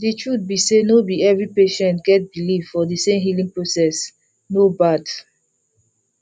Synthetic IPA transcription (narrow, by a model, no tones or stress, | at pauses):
deʃud̚bisenobiɛvɹipeʃɛ̃ntɡɛt̚biliffɔdisẽmɦilĩŋpɹosɛs | nobad